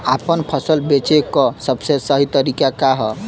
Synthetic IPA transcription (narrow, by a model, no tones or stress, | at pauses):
apənpʰəsəlbet͡ʃekɔsəbsesəɦit̪əɾikakaɦɔ